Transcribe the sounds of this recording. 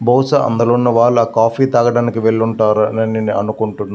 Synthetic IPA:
bɔːwsɐʔɐ̰nd̪ɐloːnːɐʋaːɭːuaːkaːpʰiːt̪aːɡɐɽaːnikiʋeɭːuɳʈaːɾunɐniniɐnukuɳʈunːa

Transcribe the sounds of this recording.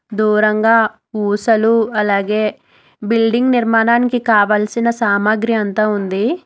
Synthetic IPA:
d̪uːɾɐŋɡaː | uːsɐluɐlaːɡe̞ː | bilɖiŋɡniɾmaːnaːnikikaːʋaːlsinɐsaːmaɡɾiɐnt̪aːund̪i

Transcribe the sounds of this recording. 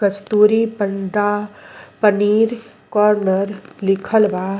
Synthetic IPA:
əst̪uːɾipəɳɖapəniːɾ | kɔːɾnəɾlɪkʰəlʋa

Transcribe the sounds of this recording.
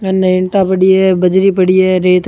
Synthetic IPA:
ɐnːɐɪɳʈaːpɐɽɪjebɐd͡ʒɾipɐɽɪjeɾeːt̪

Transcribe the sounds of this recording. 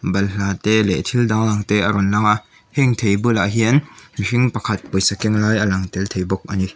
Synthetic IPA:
bɐlɬaːt̪ɛlɛʔt̪ʰildaŋlaŋt̪eʔɐɾɔnlɐŋaʔ | hɛŋt̪ʰejbɯlaʔɦiənmiʃiŋpɐkʰɐt̪̚pujsakɛŋlajʔɐlɐŋt̪ɛlt̪ʰejbɔk̚ʔɐni

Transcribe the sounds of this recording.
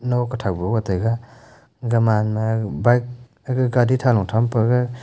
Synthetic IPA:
nɔkatʰawbɔwatajɡa | ɡamanmabajk̚ | aɡɯɡaditʰalɔŋtʰampaɡa

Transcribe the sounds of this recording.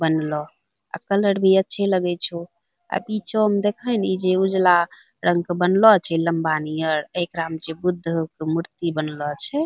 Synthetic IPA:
bənlɔ | a̰kələɽbʱiətːʃʰɛləɡɛt͡ʃʰu | a̰pit͡ʃʰoəmd̪ekʰənid͡ʒeud͡ʒla | ɾʔə̃ŋɡkebənlɔt͡ʃʰɛləmbanijəɾekɾamd͡ʒebud̪ʱːkomuɾt̪ibənlɔt͡ʃʰɛ

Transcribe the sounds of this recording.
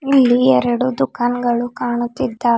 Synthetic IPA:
ilːiɛɾɐɽud̪ukaːnɡɐɭukaːɳut̪ːid̪ːaː

